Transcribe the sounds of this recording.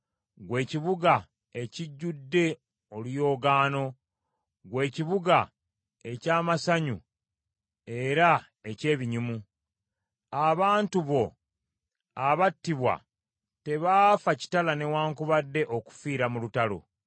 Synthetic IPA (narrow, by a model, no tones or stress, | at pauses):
ɡwe̞ːciβuɡa | e̞ciɟːudːe̞ | olujo̞ːɡaːno̞ | ɡwe̞ːciβuɡa | e̞caːmasaɲu | e̞ɾa | e̞ce̞ːβiɲumu | aβaːntuβo̞ | aβatːiβwa̰ | te̞βaːfaci̥talane̞waːŋkuβadːe̞ʔoku̥fiːɾamulutalo̰